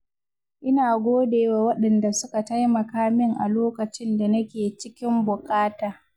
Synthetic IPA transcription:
ʔɪ˦naː˨ɡʷoː˦deː˨waː˨wɐ˦ɗɐ˨nda˨sʊ˦ka˨ta˦jmɐ˨kaː˦mɪ˦ŋʔa̰˨loː˦kɐ˨t͡ʃɪ˦nda˨nɐ˦kʲeː˨t͡ʃɪ˦kʲɪ˦mbʊ˨kʼaː˦taː˨

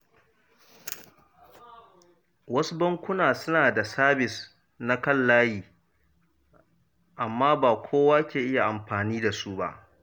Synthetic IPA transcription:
wɐ˦su˦bɐ˦ŋkʷʊ˦naː˨sʊ˦naː˨da˨saː˦bɪ˨s | na˦kɐ˦˨lːaː˦jiː˨ | ʔa˨mːaː˦baː˨kʷʰoː˦waː˦kʲeː˨ʔɪ˦ja˨ʔa˨mɸaː˨niː˦da˨su˦ba̰˦ʔ

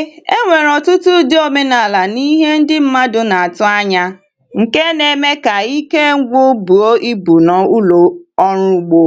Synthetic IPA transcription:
e˦ŋʷe˨ɾɔ˨tʊ˦tʊ˦dɪ˦o˦me˦na˨la˨ni˦ɦe˦n̩˦dɪ˦m̩˦ma˦dʊ˦na˨a˨tʊ˦a˦ɲa˦ | ŋ̩˨ke˦ne˨me˦ka˨i˦ke˦ɡʷʊ˦bu˨o˦ʔi˦bu˨nɔ˨u˦lo˨ɔ˦ɾʊ˦ɡ͡bo˦

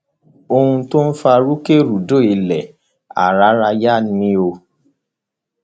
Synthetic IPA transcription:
o˧hũ˧to˦n̩˦fa˧ɾu˦ke˦ɾu˨do˦˨i˨lɛ˨ | a̰˨ɾa˨˦ɾa˧ja˦nĩ˧˦o˧

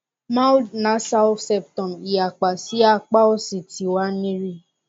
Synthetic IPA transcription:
mã˦wdnã˨˦sa˦wfsɛ˦p̚tɔ̃˨mi˨a˨k͡pa˨si˨˦a˦k͡pa˦ɔ˦si˨ti˨˦wa˦nĩ˦ɾi˦

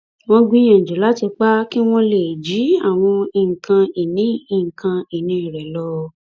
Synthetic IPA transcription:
w̃ɔ̃˧ɡĩ˦j̃ã˨d͡ʒi˨˦la˦ti˧k͡pa˦ki˦w̃ɔ̃˦le˨d͡ʒi˨˦a˦˨w̃ɔ̃˧i˧˨ŋ̩˨kã˧i˨nĩ˨˦i˦˨ŋ̩˨kʰã˧i˨nĩ˧˦i˨ɾɛ˨lɔ˧

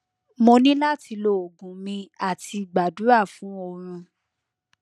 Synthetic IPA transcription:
mo˧nĩ˦la˦tʰi˧lo˦˨o˨ɡũ˨˦mĩ˧a˦˨tʰi˧ɡ͡ba˨du˨˦ɾa˦˨fũ˨˦o˧ɾ̃ũ˧

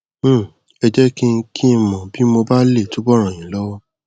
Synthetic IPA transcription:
ɛ˧d͡ʒɛ˦ki˦˧kʰi˦˧mɔ̃˨bi˨˦mo˧ba˦le˦˨to˨˦bɔ˦˨ɾ̃ã˨j̃ĩ˨˦lɔ˦wɔ˦

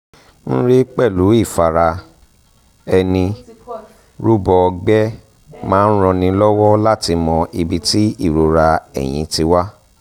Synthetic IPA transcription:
n̩˦ɾe˦k͡pɛ˦˨lu˨˦i˦˨fa˨ɾa˧ | ɛ˧nĩ˧ | ɾu˦bɔ˧ɡ͡bɛ˦ | mãː˦n̩˦ɾ̃ɔ̃˧nĩ˧lɔ˦wɔ˦la˦ti˧mɔ̃˧ʔi˧bi˧ti˦i˦˨ɾo˧ɾa˧ɛ̰˨j̃ĩ˧˦ti˧wa˦

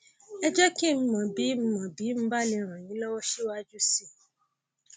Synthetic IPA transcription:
ɛ˧d͡ʒɛ˦ki˦˨m̩˦mã˨bi˨˦m̩˦mã˨bi˨˦m̩̃˦ba˦li˧ɾ̃ã˨jĩ˨˦lɔ˦wɔ˦ʃi˦wa˦d͡ʒu˦si˦˨

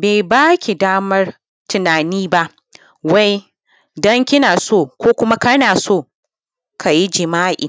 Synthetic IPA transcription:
beː˨jbaː˦kʲi˨daː˦mɐ˦r | tʊ˨naː˨niː˦ba˦ʔ | wa˦j | dɔ˦ŋkʲɪ˦naː˨soː˦˨kʷoː˦kʷʊ˦ma˦kɐ˦naː˨soː˦˨ | kʰa˨ji˦d͡ʒɪ˨maː˦ʔḭː˨

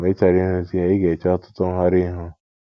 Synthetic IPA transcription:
me˦t͡ʃa˨ɾi˦ʊ̃˦si˦a˨˦i˦ɡe˨t͡ʃa˦tʊ̥˦tʊ˦ŋ̩˦ɦa˦ɾi˦ɦʊ˦

